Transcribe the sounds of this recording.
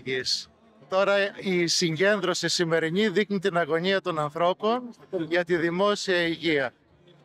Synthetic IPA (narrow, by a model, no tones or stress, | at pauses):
is | t̪o̞ɾɐisiɲɟe̞nd̪ɾo̞sisime̞ɾiɲiðixnit̪inɐɣo̞ɲiɐt̪o̞nɐnθɾo̞po̞nʝɐt̪iðimo̞siɐiʝiɐ